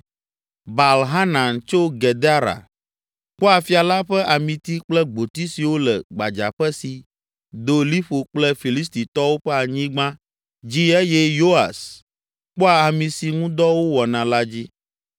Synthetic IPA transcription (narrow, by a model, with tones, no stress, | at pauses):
ba˨lɦa˦nã˨nt͡ʃo˦ɡɛ˨d̪a˦ɾa̰˨ | k͡pɔ˦a˨fi˦a˨la˦ɸɛ˦ʔa˨mĩ˨t̪i˦k͡plɛ˦ɡ͡bo˨t̪i˦si˨wo˦lɛ̰˨ɡ͡ba˨d͡ʒa̰˨ɸɛ˦si˨ | d̪o˨li˦ɸo˨k͡plɛ˦fi˨li˦s̬t̪i˨t̪ɔ˦wo˦ɸɛ˦a˨ɲĩ˦ɡ͡bã˦ | d͡ʑi˦ɛ˦jɛ˦jo˦a̰˨s | k͡pɔ˦a˨a˨mĩ˨si˨ŋũ˦d̪ɔ˦wo˦wɔ˨nã˨la˦d͡ʑi˦